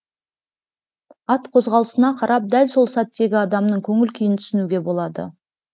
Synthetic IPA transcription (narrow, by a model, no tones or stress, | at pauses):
ɑt̪qʰo̞zʁɑlˠəsənɑqʰɑɾʔɑp̚d̪ælso̞lˠsɑt̪ːe̞ɡʲɪɑd̪ɑmnəɴkʲʰɵŋɪlkʲʰijɪnt̪ʰʏ̥sɪnuɡʲe̞bo̞lˠɑd̪ə̰